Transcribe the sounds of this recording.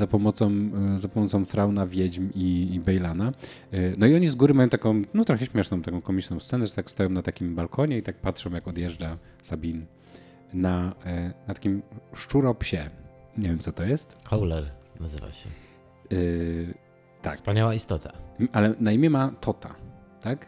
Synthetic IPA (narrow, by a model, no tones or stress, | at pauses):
zapɔmɔt̪sɔ̃w̃zapɔmɔt̪sɔ̃wfɾawnavʲjɛd͡ʑmiːbɛjlananɔiɔɲizɡuɾɘmajɔ̃w̃t̪akɔ̃w̃nɔt̪ɾɔxɛɕmʲjɛʂnɔ̃w̃t̪akɔ̃w̃kɔmʲit͡ʂnɔ̃w̃ssɛnɛʐɛt̪akfst̪ajɔ̃nat̪akʲimbalkʰɔɲɛit̪ak̚patʂɔ̃w̃jakɔd̪ʲjɛʐd͡ʐa | sabʲin | nanat̪ḁkʲimʂt͡ʂuɾɔpɕɛɲevjɛmsɔt̪ɔjɛst̪xɔwlɛɾnazɘva̰ɕɛ̰ | t̪akspaɲawaist̪ɔt̪ʰaʔalɛnaimʲjɛmat̪ʰɔt̪a̰t̪ak